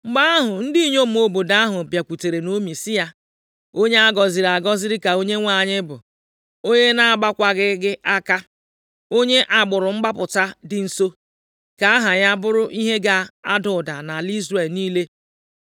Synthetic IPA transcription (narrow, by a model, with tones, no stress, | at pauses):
ŋ͡m̩˨ɡ͡ba˦a˦ɦʊ˨n̩˦di˦i˦˨ɲo˦m̩˦o˦bo˨da˦a˦ɦʊ˨bja˨kʷu˨te˨ɾe˨no˦mi˨sɪ˦ja˦ | o˦ɲe˦a˦ɡɔ˨zɪ˨ɾa˨ɡɔ˦zɪ˦ɾɪ˦ka˨o˦ɲe˦ŋʷa˨ɲɪ˦bʊ̰˨ | o˦ɲe˦na˦a˨ɡ͡ba˦kʷa˦ɡɪ˦ɡɪ˦ʔa˦ka˦ | o˦ɲe˦ʔa˨ɡ͡bʊ˨ɾʊ˨ŋ͡m̩˦ɡ͡ba˦pʊ˨ta˦dɪ˨n̩˨so˦ | ka˨a˦ɦa˨ɲa˦bʊ˦ɾʊ˦ʔi˦ɦe˦ɡa˦a˦dʊ˨da˨na˨li˦zɾe˨lniː˦le˦